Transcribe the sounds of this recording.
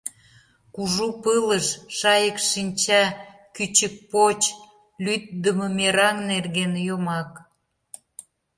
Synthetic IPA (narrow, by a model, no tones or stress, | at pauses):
kuʒupələʃʃɑjəkʃinʲt͡ɕɑ | kyt͡ɕək̚pot͡ɕ | lyt̪̚d̪əmə̆meɾɑŋnerɣenjomɑk